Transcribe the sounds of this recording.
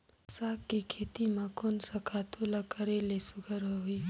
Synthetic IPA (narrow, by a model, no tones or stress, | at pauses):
saːkːikʰeːt̪imãkoːnsakʰaːt̪ʰolakəɾelesʊɡʱəɾɦoɦiː